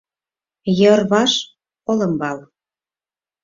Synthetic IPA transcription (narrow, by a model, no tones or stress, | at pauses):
jɤrβɑʃ | olə̆mbɑl